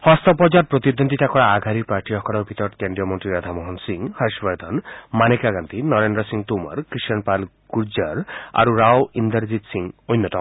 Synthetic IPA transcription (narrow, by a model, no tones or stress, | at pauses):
hɔst̪ɔpɔd͡ʒaɾ̚pɾot̪id̪ond̪ʱitakɔɽaːɡʱaɾiɾpaɾʈiɔkɔɽɔpit̪ɔɾʈkeɳɖijɔmɔnʈɾiɾad̪ʱamɔɦɔnsiŋhaʃbaɾd̪ʱɔnmanekaɡant̪inɔɾenɖɾɔsiŋt̪uma̰ɾkɾiʃɔnpal | kuɾd͡ʒaɾa̰ɾuɾawind̪əɾd͡ʑid̪siŋojnːɔt̪ɔ